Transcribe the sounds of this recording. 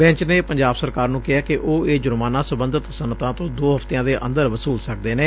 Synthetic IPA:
bɛ̃ːɲt͡ʃneːpəɲd͡ʒaːbsəɾkaːɾnũːkɪɦaːkɪʔoːeːd͡ʒʊɾmaːnãːsəbə̃nd̪ʱət̪sənːət̪ãːt̪õːd̪oːɦəft̪ejãːd̪eːʔə̰̃nd̪əɾʋəsuːlsək̚d̪eːneː

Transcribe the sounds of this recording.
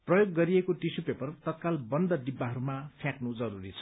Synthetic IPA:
prʌjoɡːʌɾijekoʈisupepʌrt̪ʌt̪̚kalbʌnd̪ʌdibːaɦʌɾumapʰjãknud͡zʌɾuɾit͡sʰʌ̥

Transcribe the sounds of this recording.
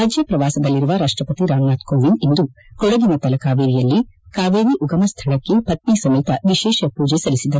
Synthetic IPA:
aːd͡ʒjɐpɾɐʋaːsɐd̪ɐlːiɾuʋɐɾaːʂʈɾɐpɐt̪iɾaːŋnaːt̪koːʋinind̪u | kɔɽɐd̪inɐt̪ɐlɐkaːʋeːɾijɐlːikaːʋeːɾiʔuɡɐmɐst̪ʰɐɭɐkːepɐt̪̚misɐmit̪ɐʋiʃɛːʃɐpuːd͡ʒesɐlisid̪ɐɾ

